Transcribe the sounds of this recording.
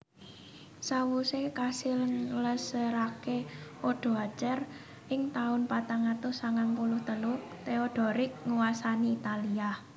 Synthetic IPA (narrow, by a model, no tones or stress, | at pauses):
sawusekasɪlləsəɾakeʔoɖ̥o̤at͡ʃər | ʔɪŋt̪aʊnpat̪aŋat̪ʊsaŋanpulʊht̪əlʊ | t̪eoɖ̥ɔ̤ɾɪk̚ŋuwasaniːt̪alia